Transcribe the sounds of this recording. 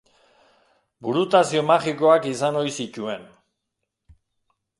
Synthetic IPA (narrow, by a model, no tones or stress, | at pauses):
buɾut̪asio̞maxiko̞akisano̞jsic̪ue̞n